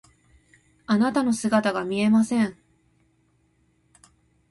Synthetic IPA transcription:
anat̪ano̞sɨɡat̪aɡamʲie̞masẽ̞ɴ̃

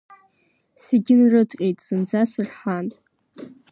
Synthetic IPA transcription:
seɡʲɪnrɨtʰʼqʲʼejtʼsɨnd͡zasɨrħanʼ

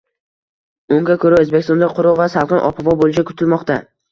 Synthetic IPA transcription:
ʊŋɡʲakʰɵɾaɵzbekʲɪst̪ɔ̃nd̪aqʰʊɾɒvasalˠqɨnʔɒ̰pʰavɒbolɪt͡ʃakʰʊ̥t̪ʰɪlmɒqt̪a

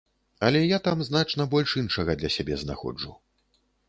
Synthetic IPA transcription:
ɐlʲɛjat̪amznat͡ʂnɐbɔlʲʂinʂɐɣɐd̪lʲɐsʲabʲɛzna̰xɔ̰d͡ʐu

